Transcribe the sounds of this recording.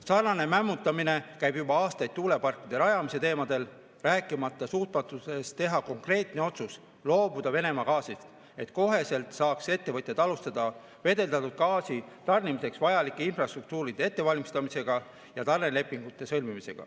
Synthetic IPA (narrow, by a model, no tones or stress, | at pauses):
sɑrnɑne̞mæmːut̪ːˑɑmine̞kæjbjubɑɑːst̪ɑjd̪̚t̪ːuːle̞pɑrkːˑid̪̥e̞ɾɑjɑmise̞t̪e̞ːmɑd̪e̞l | ræːkːˑimɑt̪ˑːɑsuːt̪̚mɑt̪ːˑuse̞st̪t̪e̞ɦɑko̞ŋkre̞ːt̪ne̞o̞t̪sus | lo̞ːbud̪̥ɑve̞ne̞mɑkɑːsist̪ | e̞t̪ko̞ɦe̞se̞lt̪sɑːkse̞t̪ːe̞vɤt̪ʲjɑt̪ɑlust̪ɑd̪̥ɑ | ve̞d̪e̞ld̪ɑt̪ːud̪̥̚kɑːsit̪ɑrnimise̞ksvɑjɑlikːˑeinfrɑst̪ruk̚t̪uːɾid̥̪e̞e̞t̪ːe̞vɑlʲmist̪ɑmise̞ɡ̥ɑ | jɑt̪ɑrnele̞pːˑiŋɡ̥ut̪ːˑe̞sɤlmimise̞̰ɡ̥ɑ̰